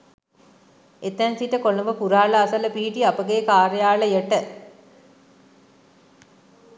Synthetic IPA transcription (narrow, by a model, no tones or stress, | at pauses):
et̪ænsiʈəkoləmbəpuɾaːləasələpiːʈiapəɡeːkaːɾəjaːləjəʈə